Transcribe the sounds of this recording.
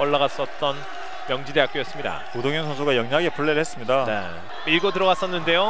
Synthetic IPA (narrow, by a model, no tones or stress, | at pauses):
ʌɭːaɣas͈ʌt̚t͈ʌn | jʌŋd͡ʑiɾe̞ak͈ojʌs͈ɯmɲida̰podoŋjʌŋsʰʌns̬ʰuɡajʌŋɲaɡe̞pʰuɭːeɾɯɭhes͈ɯmɲidane | iɭɡotɯɾʌɡas͈ʌnːɯnde̞jo